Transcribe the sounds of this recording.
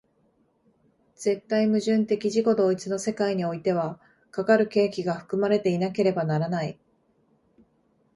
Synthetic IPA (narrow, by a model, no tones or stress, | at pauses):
z̥e̞t̪ːaimɯ̟ʑɨ̃nt̪e̞kʲiʑiko̞d̪o̞ːit͡sɨno̞se̞kaiɲ̟io̞it̪e̞β̞a | kakaɾɯ̟ke̞ːkʲiɡaɸɯ̥kɯ̟maɾe̞t̪e̞inake̞ɾe̞banaɾanai